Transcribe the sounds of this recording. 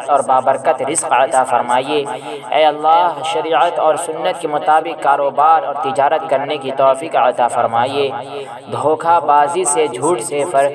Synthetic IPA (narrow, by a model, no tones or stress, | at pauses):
t̪ɔːɾbaːbəɾkət̪ɾɪzqɐt̪afɐɾmaːie | ɛːɐlːaːɦʃɐɾiːʕət̪ɔːɾsʊnːət̪̚kemʊt̪aːbɪqkːaːɾoːbaːɾɔːɾt̪ɪd͡ʒaːɾət̪̚kɐɾnekit̪ɔːfiːqə̰t̪afɐɾmaːie | d̪ʱoːkʰabaːzised͡ʒʱuːʈsefʰɐɾ